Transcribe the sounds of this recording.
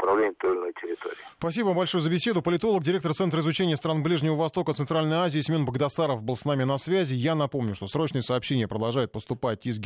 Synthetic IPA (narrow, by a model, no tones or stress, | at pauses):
pɾɐvlʲenʲɪmt̪olnojtʲɪɾʲɪt̪o̰ɾʲɪspɐsʲibəvambɐlʲʂojʊzəbʲɪsʲe̞d̪ʊpəlʲɪt̪o̞lˠək̚dʲɪɾʲekt̪əɾrt̪sɛnt̪ɾəɪzʊt͡ɕenʲɪjəst̪ɾanblʲiʐnʲɪvəvɐst̪o̞kət̪ɨnt̪ɾalʲnəjəazʲɪɪsʲmʲo̞nbəɡd̪ɐsaɾəfbɨlˠsnamʲɪnɐsvʲæzʲɪjanɐpo̞mnʲʊʂt̪o̞sɾo̞t͡ɕnɨjəsɐːpɕːenʲɪjəpɾəd̪ɐlˠʐajʊt̪̚pəst̪ʊpat̚ʲizɡʲ